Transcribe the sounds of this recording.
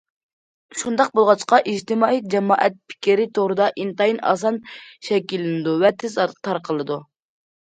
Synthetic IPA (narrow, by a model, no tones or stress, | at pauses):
ʃund̪ɑq̚bolˠʁɑt͡ʃqɑʔid͡ʒt̪ɪmɑːid͡ʒɛmɑːʔɛt̪̚pʰi̥kʲiɾɪt̪ʰoʁɾɨd̪ɑʔint̪ɑjinɑ̰s̬ɑnʃɛkʲilːɪnɪd̪uvɛt̪ʰɪzt̪ʰɑɾqʰəlˠɨd̪u